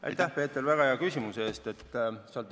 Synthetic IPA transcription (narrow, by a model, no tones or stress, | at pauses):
ʔɑ̰jt̪æpe̞ːt̪ːˑelvæɡ̥ɑeɑkysʲimusee̞ːst̪e̞t̪ːseɑlt̪